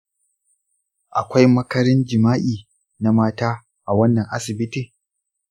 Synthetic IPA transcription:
ʔa˨kʷa˦jmɐ˦kɐ˦ɾɪ˦nd͡ʒɪ˨maː˦ʔiː˨ | na˨maː˦taː˦ | ʔa˨wɐ˦nːɐ˨ŋʔa˦sɪ˨bɪ˦tiː˨

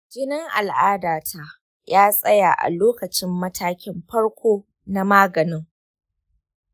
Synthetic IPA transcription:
ɡʲɪ˦nɪ˦ŋʔa̰˨lʔaː˦daː˨tʰa˦ | jaː˦sʼɐ˦ja̰˨ʔa̰˨loː˦kɐ˨t͡ʃɪ˦mːɐ˦tʰaː˦kʲɪ˦mɸɐ˦ɽkʷoː˦ | na˦maː˦ɡɐ˨nɪ˦ŋ

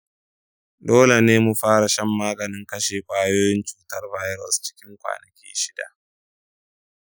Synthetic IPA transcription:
doː˦le˨neː˦mu˨ɸaː˦ɾa˨ʃɐ˦mːaː˦ɡɐ˨nɪ˦ŋkɐ˦ʃeː˨kʷʼaː˦joː˦jɪ˦nt͡ʃuː˦tɐ˦rba˦jɾɔ˨st͡ʃɪ̥˦kʲɪ˦ŋkʷa̰ː˨nɐ˨kʲḭː˦ʃɪ˦da̰˨ʔ

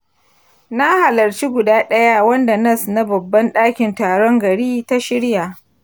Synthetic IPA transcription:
na˦ha˨lɐ˨ɾt͡ʃi˦ɡʷʊ˨daː˦ɗɐ˦ja˦wɐ˦nda˨nɐ˦sna˦bɐ˨bːɐ˦nɗaː˦kʲɪ˨ntaː˨ɽɔ˦ŋɡɐ˨ɽiː˦ta˦ʃɪ˦ɽja˨ʔ

